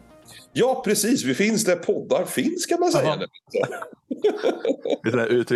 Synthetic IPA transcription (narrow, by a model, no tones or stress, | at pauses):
jɑːpʰɾɛsiːsvɪfɪnsd̪æɾpʰɔd̪ːaɾfɪnskʰamansɛja̰d̪ɛɪnt̪ə | ɪɛæɾʉ̟ːt̪ɾ